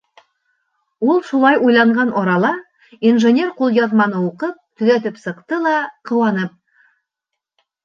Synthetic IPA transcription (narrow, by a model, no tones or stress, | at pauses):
wolˠʃolˠɑjojlˠɑɴʁɑnʔɒɾɑlˠɑ | inʒenʲe̞rqʰolˠjɑðmɑnəwoqəp̚t̪ʰʏlet̪ɪpsəqt̪əlˠɑqʰə̆wɑnəp̚